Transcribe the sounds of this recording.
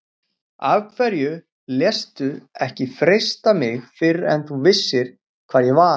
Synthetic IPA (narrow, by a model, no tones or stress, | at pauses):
avkʰvɛɾjʏ | ljɛst̪ʏɛhcɪfɾejst̪amɪxfɪɾɛ̰nθuvɪsːɪɾ̥ | kʰv̥aːðjɛɣva